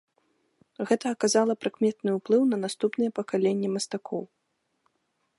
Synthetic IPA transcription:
ɣɛt̪ɐːkazalˠɐpɾɨkmʲɛt̪nɨuplˠɨwnɐnast̪upnɨjɛpɐkalʲenʲːimɐst̪akʰɔw

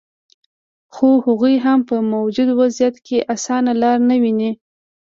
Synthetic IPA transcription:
xohaɣujɦampəmawd͡ʒʊd̪wazjat̪kʰeʔasɑnalɑɾnawini

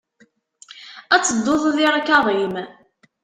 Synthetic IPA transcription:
æt͡sːəd̪ːoðˤðɪɾakːaʁim

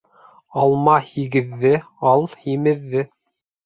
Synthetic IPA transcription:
ɑlˠmɑhiɡɘ̆ðːɘ | ɑlˠhimɘ̆ðːɘ

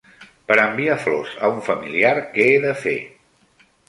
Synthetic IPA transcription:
pəɾəmbiaflozə̰uɱfəmiliaɾkɛːðəfḛ

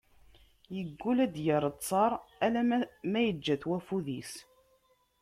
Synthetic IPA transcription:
jəɡːulæd̪jəɾˤət̪t͡sːˤɑɾˤælæmæjəd͡ʒːæθwæfuðis

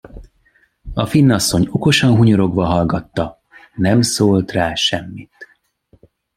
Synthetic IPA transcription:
ɒfinːɒsːo̞ɲo̞ko̞ʃɒnɦuɲoɾo̞ɡʋɒɦɒlɡɒt̪ːɒ | nɛmsoːlt̪raːʃɛmːit̪

